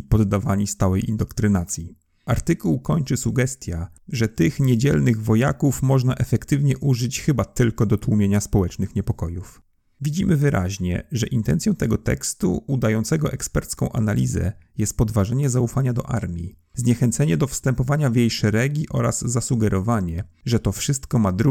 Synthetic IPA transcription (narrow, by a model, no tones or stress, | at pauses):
ipɔd̪ːavaɲist̪awɛjḭnd̪ɔkt̪ɾɘnat̪sʲji | aɾt̪ɘkuwkɔɲt͡ʂɘsuɡɛst̪ʲjaʐɛt̪ɘxɲed͡ʑɛ̰lnɘɣvɔja̰kufmɔʐnaʔɛfɛkt̪ɘvɲɛʔuʐɘt͡ɕxɘbat̪ɘlkɔd̪ɔt̪wumʲjeɲaspɔwɛt͡ʂnɘxɲɛpɔkɔjuf | vʲid͡ʑimɘvɘɾʔa̰ʑɲɛ̰ʐɛ̰ʔint̪ɛnt̪sʲjɔ̃w̃t̪ɛɡɔt̪ɛ̰kst̪ṵːd̪ajɔnt̪sɛɡɔʔɛkspɛɾt̪skɔ̃w̃ʔa̰nalʲizɛ̰jɛst̪̚pɔd̪vaʐɛɲɛzaufaɲad̪ɔ̰ʔa̰ɾmʲjḭ | zɲɛxɛnt̪sɛɲɛd̪ɔfst̪ɛmpɔvaɲavjejʂɛɾɛɡʲiʔɔɾa̰z̥ːasuɡɛɾʔɔvaɲɛ | ʐɛt̪ɔfʂɘst̪kɔmad̪ɾu